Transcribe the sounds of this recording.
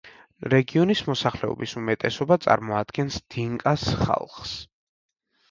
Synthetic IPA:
ɾɛɡiɔnismɔsaχlɛɔ̰bisumɛt̪ʼɛsɔbat̪sʼa̰ɾmɔad̪̥ɡɛnsd̪̥iŋkʼasχa̰lˠχs

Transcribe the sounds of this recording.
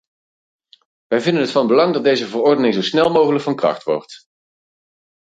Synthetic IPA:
ʋɛjvɪndənɦətfɑnbəlɑŋdɑt̚dejzəvərɔrdənɪŋzowsnɛlˠmowχələkfɑnkrɑ̰χtʋɔ̰ɹt

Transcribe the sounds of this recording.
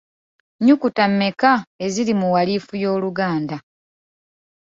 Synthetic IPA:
ɲukutamːe̞kae̞zilimuwaliːfujo̞ːluɡaːnda

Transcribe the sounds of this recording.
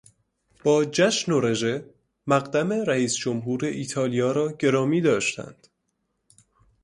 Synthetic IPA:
b̥ɒːd͡ʒæʃnoɾe̞ʒe̞ | mæɣd̪æme̞ɾæiːsd͡ʒomɦuːɾe̞ʔiːt̪ʰɒːlijɒːɾɒːɟe̞ɾɒːmiːd̪ɒːʃt̪æ̰nd̪̥

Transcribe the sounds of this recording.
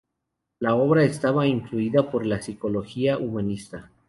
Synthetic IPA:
lao̞βɾaest̪aβaiɱfluiðapo̞ɾlasiko̞lo̞xiaʔumanist̪a

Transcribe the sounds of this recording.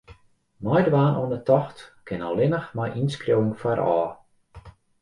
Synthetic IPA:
mɔjdəʋaːnʔɔənətɔxtkɪnɔlɪnəxmɔjʔinskrjowəŋfwaɾʔɔː

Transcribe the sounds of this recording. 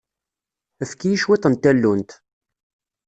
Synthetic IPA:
æfkijiʃwit̪ˤːənt̪ːælːunt̪

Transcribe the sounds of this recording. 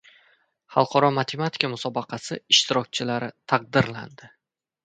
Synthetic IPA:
χɑ̰lˠqʰɒɾɒmat̪ʰe̞mat̪ʰi̥kamʊsɒbɑqʰɑsɪɪʃt̪ɪɾɒk̚ʲt͡ʃʰɪlaɾɪt̪ʰɑq̚d̪ɪɾla̰nd̪ɪ

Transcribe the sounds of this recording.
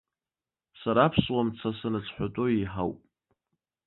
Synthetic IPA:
saɾapʰswamt͡sʰasanɨt͡sʰħʷᶣatʷʼoiħa̰wpʼ

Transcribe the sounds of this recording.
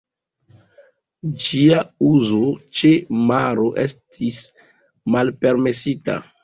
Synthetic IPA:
d͡ʒiauzot͡ʃemaɾo̞ʔe̞stʰis | malpe̞ɾme̞sita̰

